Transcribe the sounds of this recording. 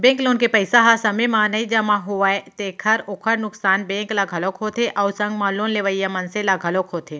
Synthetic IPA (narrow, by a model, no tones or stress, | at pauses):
bẽːŋkloːnkepəɪsaɦasɐmemãːnəid͡ʒɐmãɦuʋaːet̪eːkʰəɾoːkʰəɾnʊksaːnbẽːklaɡʱɐlokɦoːt̪ʰeʔɐwsɐ̃ŋɡmãːloːnleːʋəijamɐnselaɡʱɐloːkɦoːt̪ʰe